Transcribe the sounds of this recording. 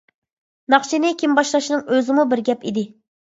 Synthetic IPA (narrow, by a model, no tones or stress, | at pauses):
nɑχt͡ʃʰinɪkʲʰimbɑʃlˠɑʃinɨŋøzɪmubɪɾɡʲɛpid̪ɪ